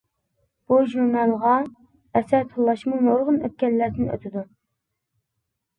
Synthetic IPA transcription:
b̥uʒuɾnɑlˠʁɑ | ɛsæt̪ʰəlˠːɑʃmunoɾʁʊnø̰t̪̚kʲɛlːæɾd̪ɪnø̰t̪ʰɪd̪u

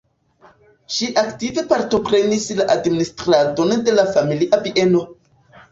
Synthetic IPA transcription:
ʃiʔaktive̞paɾto̞pɾe̞nislaʔadministɾado̞nde̞lafamiliʔaviʔe̞no̞

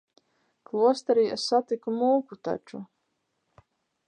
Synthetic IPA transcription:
klˠuɔst̪aɾiːesːat̪ikumuːkut̪a̰t͡ʃu

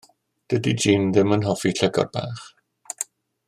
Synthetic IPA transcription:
d̥ədid͡ʒiːnðɪmənɦɔfiɬəɡɔ̰rba̰ːχ

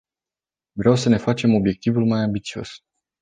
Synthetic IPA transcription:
vɾeawsəne̞fat͡ʃe̞mo̞bje̞k̚t̪ivulmajambit̪sio̞̰s

